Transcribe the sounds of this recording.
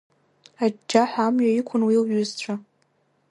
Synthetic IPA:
ad͡ʒːaħʷamɥaikʷʰʊnwilɥʏzt͡ɕʷʰa

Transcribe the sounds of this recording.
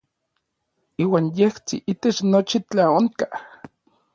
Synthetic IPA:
iːwaːnjeht͡sḭʔit̪et͡ʃnot͡ʃit͡ɬaoŋka

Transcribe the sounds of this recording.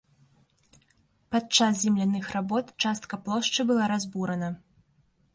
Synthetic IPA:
pat͡ʂasʲzʲɛmlʲanɨxrabɔt̪t͡ʂast̪̚kɐplˠɔʂt͡ʂɨbɨlˠaɾazbuɾɐnɐ

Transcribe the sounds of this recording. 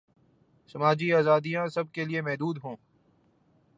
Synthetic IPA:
sɐmaːd͡ʒiaːzaːd̪ijãsɐb̚keliemɛɦd̪uːd̪ɦõː

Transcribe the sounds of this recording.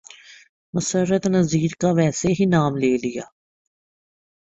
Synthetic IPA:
mʊsəɾət̪nəziːɾkaʋɛːseɦinaːmleːlɪja̰ː

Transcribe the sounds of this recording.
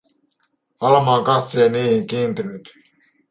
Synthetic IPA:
ɑlɑmɑːŋkɑt̪seːniːhiŋkiːnt̪inyt̪

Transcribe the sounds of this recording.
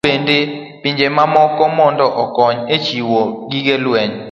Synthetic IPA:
ende | piɲd͡ʒemamɔkɔmɔndɔʔɔkɔɲet͡ʃiwoɡiɡelwɛɲ

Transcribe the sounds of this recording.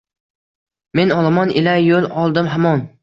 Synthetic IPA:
me̞nɒlˠamɒnɪlajjolˠɒlˠd̪ɪmɦamɒn

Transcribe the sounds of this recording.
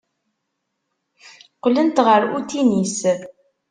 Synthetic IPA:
qːlənt̪ʁəɾut̪inis

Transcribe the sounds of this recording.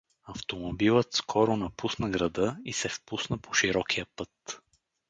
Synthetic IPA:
ɐft̪omobilˠət̪skʰɔɾʊnɐpusnəɡɾɐd̪ɤisɛfpusnəpo̥ʃiɾɔkʰijəpɤt̪

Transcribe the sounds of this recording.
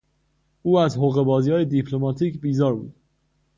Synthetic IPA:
uːæzɦoɣe̞bɒːzijɒːjed̪ipʰlomɒːt̪ʰiːcbiːzɒːɾbṵːd̪̥̚

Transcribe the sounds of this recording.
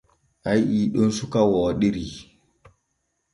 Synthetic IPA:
ʔajiːɗɔnsukawɔːɗiɾi

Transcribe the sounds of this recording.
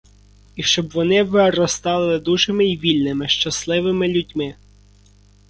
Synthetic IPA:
iʃt͡ʃɔbʋɔnɪʋɪɾɔst̪ɑlˠɪlˠɪd̪uʒemɪiʋʲilʲnɪmɪʃt͡ʃɐslˠɪʋɪmɪlʲudʲmɪ

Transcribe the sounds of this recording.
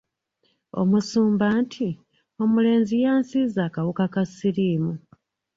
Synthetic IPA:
o̞̰musuːmbaːntʰi | o̞mule̞ːnzijaːnsizaːkaβukakasiɾiːmu

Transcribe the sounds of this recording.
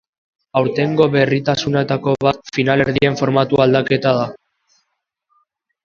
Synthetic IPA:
awɾt̪e̞ŋɡo̞βe̞rit̪asunet̪ako̞βat̪finaleɾðie̞ɱfo̞ɾmat̪uald̪ake̞t̪að̞a

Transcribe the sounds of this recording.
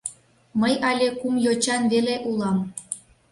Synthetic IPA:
məjɑlʲekumjot͡ɕɑnβeleʔulˠɑm

